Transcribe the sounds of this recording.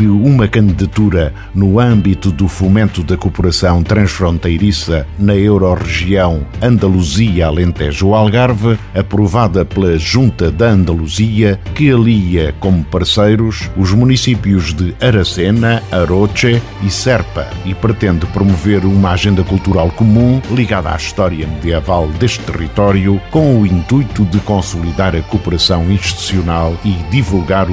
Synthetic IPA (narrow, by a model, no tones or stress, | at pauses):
ɨumɐkɐ̃nd̪iðɐt̪uɾɐ | nuɐ̃mbit̪uðufumẽnt̪uðɐkupuɾɐsɐ̃w̃t̪ɾɐ̃ʃfɾõnt̪ɐjɾisɐnɐewɾɔʁɨʒiɐ̃w̃ɐ̃nd̪ɐlˠuziɐlˠẽnt̪ɛʒualˠɣaɾvɨ | ɐpɾuvaðɐplˠɐʒũnt̪ɐðɐɐ̃nd̪ɐlˠuziɐkɨɐlˠiɐkomupɐɾsejɾuʃuʒmunisipjuʒðɨɐɾɐsenɐɐɾot͡ʃɛ | isɛɾpɐipɾɨt̪ẽnd̪ɨpɾumuveɾumaʒẽnd̪ɐkulˠt̪uɾalˠkumũlˠiɣaða̰iʃt̪ɔɾjɐmd̪iɐvalˠd̪eʃt̪t̪ːɨʁit̪ɔɾjukõuĩnt̪ujt̪uðɨkõsulˠiðaɾɐkupɨɾɐsɐ̃w̃ĩʃt̪i̥t̪u̥siunalˠiðivulˠɣaɾ